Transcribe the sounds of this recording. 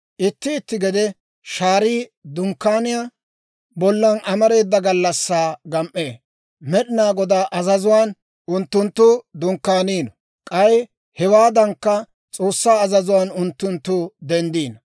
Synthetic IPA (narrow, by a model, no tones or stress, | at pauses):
ʔɪt̪ːɪːt̪ːɪɡɛd̪ɛ | ʃaːɾiːd̪ʊŋkːaːnɪja | bɔlːɐnɐmɐɾe̞ːd̪ːɐɡɐlːɐsːaːɡɐmʔːe̞ː | mɛɗɪnaːɡɔd̪aːʔɐzɐzʊwaːn | ʔʊnt̪ːʊnt̪ːʊd̪ʊŋkːaːniːnɔ | kʼɐj | hɛwaːd̪ɐŋkːɐ | t͡sʼo̞ːsːaːɐzɐzʊwaːnʊnt̪ːʊnt̪ːʊd̪ɛnd̪iːnɐ